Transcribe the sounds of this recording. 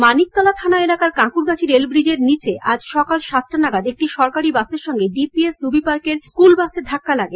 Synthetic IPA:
manik̚t̪ɔlat̪ʰanaelakaɾkãkuɾɡat͡ɕʰiɾelbɾid͡ʑeɾnit͡ɕeʔad͡ʑʃɔkalʃat̪ʰːɾonaɡad̪ek̚ʈiʃɔɾkaɾibaseɾʃɔŋɡeɖipiesɾubipaɾkeɾskulbased̪ʱakːalaɡe

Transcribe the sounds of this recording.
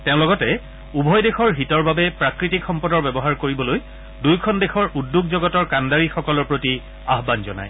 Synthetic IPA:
teʊ̃lɔɡɔtɛ | ubʱɔjdexɔɹɦitɔɹbabɛpɹakɹitikxɔmpɔdɔɹbɛbɔɦaɹkoɹibɔloj | dujkʰɔndexɔɹʔudːuɡzɔɡɔtɔɹkandaɹixɔkɔlɔɹpɹoti | aɦbanzɔ̰na̰j

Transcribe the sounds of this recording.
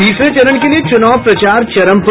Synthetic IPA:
iːset͡ʃɐɾəɳkeliet͡ʃʊnaːʋpɾɐt͡ʃaːɾt͡ʃɐɾəmp

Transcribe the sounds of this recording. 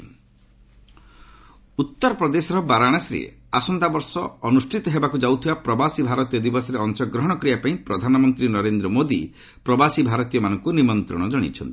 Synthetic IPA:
ut̪ːɔɾɔpɾɔd̪esɔɾɔbaɾaɽ̃asɾḛ | asɔnd̪abɔɾsɔɔnusʈʰit̪ɔɦebakud͡ʒawt̪ʰibapɾɔbasibʱaɾɔt̪ijɔd̪ibɔsɔɾeɔŋsɔɡɾɔɦɔɽ̃ɔkɾijapaĩpɾɔd̪ʱanɔmɔnt̪ɾinɔɾend̪ɾɔmod̪i | pɾɔbasibʱaɾɔt̪ijɔmanɔŋkunimɔnt̪ɾɔ̰ɽ̃ɔd͡ʒɔɽ̃ḭt͡ʃʰɔ̰nt̪i̥

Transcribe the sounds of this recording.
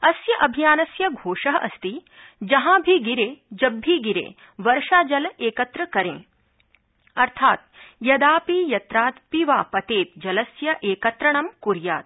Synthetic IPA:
ɐsjɐʔɐbʱijaːnɐsjɐɡʱoːʃɐɦɐʔɐst̪i | d͡ʒɐɦãːbʱiɡiɾeːd͡ʒɐbʱːiɡiɾḛː | ʋɐɾʃaːd͡ʒɐleːkɐt̪ɾɐkɐɾḛ̃ː | ɐɾt̪ʰaːt̪jɐd̪aːpiːjɐt̪ɾaːt̪piʋaːpɐt̪eːt̪d͡ʒɐlɐsjɐʔeːkɐt̪ɾɐɳ̃ɐmkuɾja̰ːt̪̚

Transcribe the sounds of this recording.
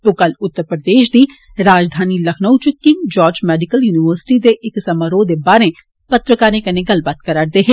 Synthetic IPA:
oːkɐlʊt̪ːəɾpɾəd̪eːʃd̪i | ɾaːd͡ʒd̪ʱaːnilɐkʰnəʊt͡ʃʊkːɪ̃ŋd͡ʒɔːɾd͡ʒmɛːɖɪkəljuːniʋəɾsɪ̥ʈid̪eʔɪksɐmaːɾoːd̪ebaːɾẽ | pɐt̪ɾəkaːnẽkɐnẽɡɐlbat̪kɐɾaɽd̪eɦe

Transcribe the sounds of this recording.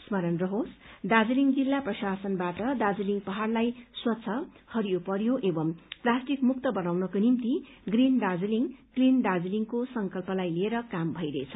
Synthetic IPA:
smʌɾʌnrʌɦosd̪ad͡zʌliŋɡd͡zilːaprʌsasʌnbaʈʌd̪ad͡ziliŋɡpʌɦarlajswʌt̪ːsʰʌ | hʌɾijopʌɾjoʔebʌmplasʈikmuk̚t̪ʌbʌnawnʌkonimt̪i | ɡrind̪ad͡zliŋklind̪ad͡ziliŋkosʌŋkʌlpʌlajlieɾʌkambʱʌjɾʌet͡sʰʌ

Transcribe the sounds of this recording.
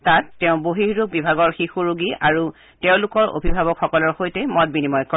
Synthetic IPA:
tatːɛʊ̃boɦiɦɹuɡ̚bibʱaɡɔɹxixuɹuɡiʔaɹu | tɛʊ̃lʊkɔɹo̰bʱibʱabɔkxɔkɔlɔɹxojtɛmɔt̚binimɔjkɔ

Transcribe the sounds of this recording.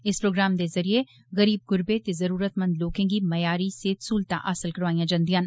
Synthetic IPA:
ɪspɾoːɡɾaːmd̪ezɐɾie | ɣɐɾiːb̚ɡʊɾbet̪ezɐɾuːɾət̪mɐ̃nd̪loːkẽɡimɐjaːɾiseːt̪suːlt̪a̰ʔaːsəlkɐɾʋaːijãd͡ʒɐ̃nd̪ijãːn

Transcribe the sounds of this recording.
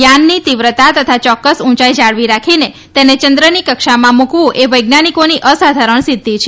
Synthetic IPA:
janːit̪iʋɾət̪at̪ət̪ʰat͡ʃɔkːəsũt͡ʃaid͡ʒaɭʋiɾakʰine | t̪enet͡ʃənd̪ɾənikəkʃamãmukʋũʔeʋəjɡnanikoniʔəsad̪ʱaɾəɳsid̪ʱːit͡ʃʰe

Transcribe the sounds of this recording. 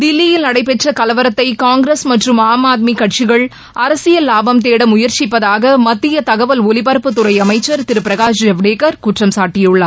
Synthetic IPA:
d̪ɪlːɪjɪlnɐɽɐɪpɛʈrɐkɐlɐʋɐɾɐt̪ːɐɪkaːŋɡɾesmɐʈrɯmaːmaːt̪̬̚mikɐʈt͡ʃɪɣɐɭ | ʔɐɾɐsɪjɐlaːbɐmt̪eːɽɐmʊjɐɾt͡ʃɪpːɐðaːɣɐmɐt̪ːɪjɐt̪ɐɣɐʋɐlɔlɪpɐɾpːɯt̪ʊrɐɪɐmɐɪt͡ʃːɐɾt̪ɪɾɯpɪɾɐɣaːʃd͡ʒɛʋɽeːkɐɾkʊʈrɐmsaːʈːɪjɯɭːɐ

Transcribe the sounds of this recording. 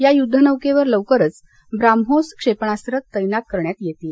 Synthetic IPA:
jajud̪ʱːənəʋkeʋəɾləʋkəɾət͡s | bɾamɦoskʂepɳasɾət̪ːəjnat̪̚kəɾɳjat̪jet̪i

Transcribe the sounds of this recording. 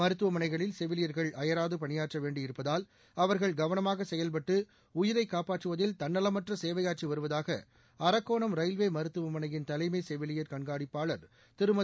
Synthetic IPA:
mɐɾɯt̪ːɯʋɐmɐnɐɪɣɐɭɪlsɛʋɪlɪjɐɾɣɐɭɐjɐɾaːðɯpɐɳɪjaːʈrɐʋeːɳɖɪɪɾɯpːɐðaːl | ɐʋɐɾɣɐɭɡɐʋɐnɐmaːɣɐsɛjɐlpɐʈːɯ | ʊjɪɾɐɪkːaːpaːʈrɯʋɐðɪlt̪ɐnːɐlɐmɐʈrɐseːʋɐjaːʈt͡ʃiʋɐɾɯʋɐðaːɣɐ̰ | ɐɾɐkːoːɳɐmɾɐɪlʋeːmɐɾɯt̪ːɯʋɐmɐnɐjɪnt̪ɐlɐɪmeːsɛʋɪlɪjɐɾkɐɳɡaːɽɪpːaːɭɐɾ | t̪ɪɾɯmɐ

